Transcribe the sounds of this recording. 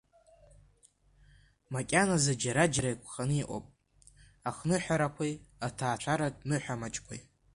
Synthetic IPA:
makʲʼanazad͡ʒaɾad͡ʒaɾajkʷʰʼχanɨiʔʷʼo̰pʼ | aχnɨħʷᶣaɾakʷʰejatʰaːt͡ʃʷʰaɾadʼnɨħʷᶣamat͡ʃʼkʷʰa̰j

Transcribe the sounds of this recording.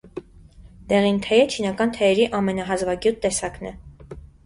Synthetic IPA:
d̪̥ɛʁint̪ʰɛjɛt͡ʃʰinɑkɑnt̪ʰɛjɛɾiʔɑmɛnɑɦɑzvɑkjut̪̚ːɛsɑknɛ̰

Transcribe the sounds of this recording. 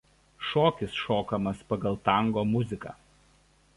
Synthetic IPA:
ʃoːkʲɪsʃoːkɐmɐspɐɡɐlˠt̪ɐˑŋɡoːmʊzʲɪkɑ̰

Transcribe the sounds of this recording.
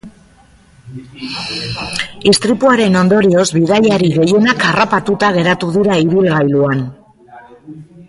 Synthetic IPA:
ist̪ɾipuaɾe̞no̞nd̪o̞ɾio̞zβiðajaɾiɣe̞je̞nakarapat̪ut̪aɣ̞e̞ɾat̪uðiɾaiβilɣajluan

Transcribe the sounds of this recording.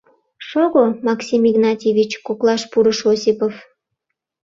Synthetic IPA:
ʃoɣomɑksʲimiɣnɑt̪ʲevʲit͡ɕkoklˠɑʃpuɾəʃosʲipof

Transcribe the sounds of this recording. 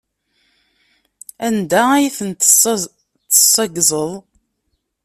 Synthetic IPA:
ænd̪ææjiθən | t̪ːə̥sˤːɑɡzˤəðˤ

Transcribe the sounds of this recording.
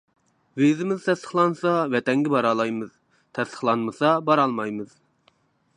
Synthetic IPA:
vezɪmɪzt̪ʰɛst̪ə̥χlˠɑnsɑvɛt̪ɛŋɡʲɛbɑɾɑlˠɑjmɨz̥ | t̪ʰɛst̪ʰə̥χlˠɑnmɨsɑbɑɾɑlˠmɑjmɨz̥

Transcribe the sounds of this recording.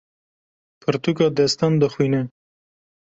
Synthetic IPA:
pʰəɾt̪ukɑd̪est̪and̪əxwine

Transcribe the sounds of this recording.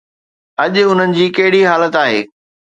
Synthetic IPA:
ɐʄʊn̤ənɪ̆d͡ʑiːkɐɦɪɽiɦaːlət̪aːɦḛː

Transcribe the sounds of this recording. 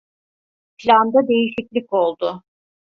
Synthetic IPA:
pʰlʲand̪ad̪e̞jiʃiclʲiko̞lˠd̪ʊ

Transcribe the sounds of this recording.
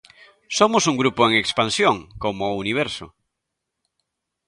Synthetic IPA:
somʊsuŋɡɾupoeŋekspansjoŋkomouniβ̞ɛɾso̰

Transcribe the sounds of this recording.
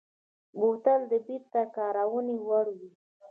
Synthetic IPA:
bot̪ald̪əbiɾt̪akɑɾawənewaɽwi

